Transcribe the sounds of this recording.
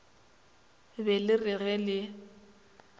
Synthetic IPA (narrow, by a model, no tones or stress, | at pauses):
bɛlɪrɪɣɛlɪ